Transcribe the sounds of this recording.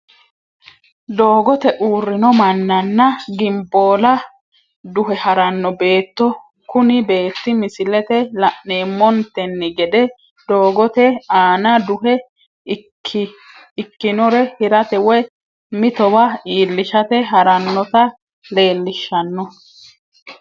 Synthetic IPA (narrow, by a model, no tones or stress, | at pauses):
d̪o̞ːɡɔt̪ɛʔuːrːɪnɔmɐnːɐnːɐɡɪmbo̞ːlɐ | d̪ʊɦɛhɐɾɐnːɔbe̞ːt̪ːɔ | kʊnɪbe̞ːt̪ːɪmɪsɪlɛt̪ɛlɐʔneːmːɔnt̪ɛnːɪɡɛd̪ɛ | d̪̥o̞ːɡɔt̪ɛaːnɐd̪ʊhɛ | ɪkːɪnɔɾɛhɪɾɐt̪ɛwɛ | mɪt̪ɔwɐiːlːɪʃɐt̪ɛɦɐɾɐnːɔt̪ɐ | le̞ːlːɪʃːɐnːɔ